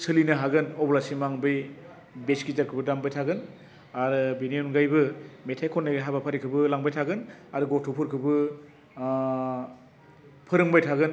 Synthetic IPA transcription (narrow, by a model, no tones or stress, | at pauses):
sɯlinɯɦaɡɯnɔblasimaŋbɯj | beskizakʰɯbɯdambajtʰaɡɯn | aɾɯbenijɔnɡajbɯmetʰajkʰɔnːaɡajɦabapʰaɾikʰɯbɯlaŋbajtʰaɡɯnaɾɯɡɔtʰupʰɯɾkʰɯbɯ | pʰɯɾɯŋbajtʰaɡɯn